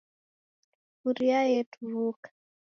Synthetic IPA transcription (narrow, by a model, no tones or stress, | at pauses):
uɾjajetʰuɾukḁ